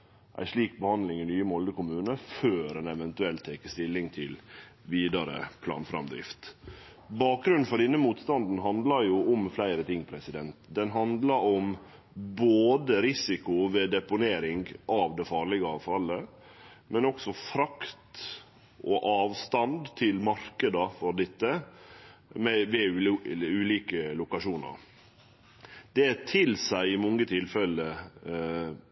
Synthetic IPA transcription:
ʔæ̰ɪʂɭiːk̚bəhɑnd̪lɪŋɪnyːəmɔld̪əkʊmʉːnəføːɾɛnɛʋɛnt̪ʉɛlt̪ʰːɛːkəst̪ɪlːɪŋt̪ʰɪl | ʋiːd̪ɑɾə̰pʰlɑ̰ːnfɾɑ̰md̪ɾɪ̰ft̪ | bɑːk̚ɡɾʉnfɔɖ̪ɛnːəmuːt̪st̪ɑnd̪n̩ɦɑnd̪lɑɾjʊʊmflæɪɾət̪ʰɪŋːpʰɾɛsɪd̪ɛnt̪d̪ɛnɦɑnd̪lɑɾɔm | boːd̪əɾɪsɪkʊʋeːd̪ɛpʊneːɾɪŋɡɑːʋd̪ɛfɑːɾɭɪɡəɑːʋfɑlːə | mɛnɔksɔfɾɑkt̪ | ʔoʔɑːʋst̪ɑnd̪t̪ʰɪlmɑɾkəd̪ɑfɔɾɖ̪ɪt̪ːə | mɛʋɛ | ʉːliːkəlʊkɑʂuːnə̰ɾ | d̪̥ɛt̪ʰɪlsæɪɪmɔŋːət̪ʰɪlfɛlə

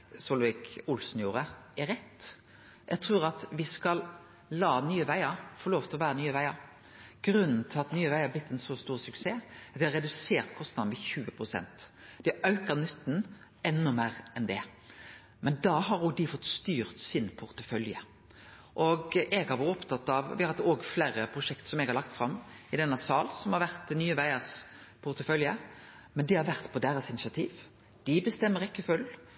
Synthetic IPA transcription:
sɔlʋɪkʊlsn̩juːɾəɛɾɛt̪ː | ʔɛɡ̚t̪ʰʁʉːɾɑt̪ʋɪskɑl | lɑːnyːəʋæɪəɾfɔɾloːʋt̪ʰɪlɔʋæːʁənyːəʋæɪəɾ | ɡ̥ɾʉnn̩t̪ʰɪlɑt̪nyːəʋæɪəʁblɪt̪ːɛnsɔst̪uːʁsʉkseːɑt̪d̪ɪhɑɾɛd̪ʉseːʁt̪kʰɔst̪nɑd̪mɛçʉːəpʰʁʊsɛ̰nt̪d̪̥ɪʔɑʉkəʁnʏt̪ːn | ɛnːʊmæːɾɛnd̪ɛ | mɛnd̪ɑɦɑɾoːɡd̪ɪfɔt̪ːst̪yːɾt̪sɪnpʰʊʁt̪əfœljə | ʔɔɡɛɡhɑɾʋɑɾɔpt̪ʰɑt̪ːɑʋʋɪhɑhɑoːɡfleːɾəpʰɾʊʂɛkt̪sɔmɛɡhɑɾlɑk̚t̪fɾɑmːɪd̪ɛnːəsɑːlsɔmhɑɾʋæɾt̪nyːəʋæɪəspʰʊʁt̪əfœljə | mɛnd̪ɪhɑɾʋæʁt̪pʰɔd̪eːɾəsɪnɪsɪɑt̪ʰiːʋ | d̪̥ɪbəst̪ɛmːəɾɪkːəfʉl

